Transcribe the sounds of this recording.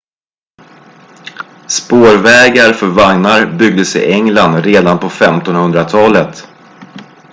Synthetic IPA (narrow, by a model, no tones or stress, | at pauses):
spoːɾvɛːɡaɾfœɾvaŋnaɾbʏɡ̚d̪əsɪ̰ʔɛŋland̪ɾeːd̪anpʰɔfɛmt̪ɔnhɵnd̪ɾat̪ʰɑːlət̪